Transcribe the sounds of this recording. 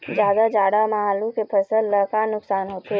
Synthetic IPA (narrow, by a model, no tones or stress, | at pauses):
d͡ʒjaːd̪ad͡ʒaːɽamaɦaːlukepʰəsəlːəkaːnʊksaːnɦoːt̪eɦɛ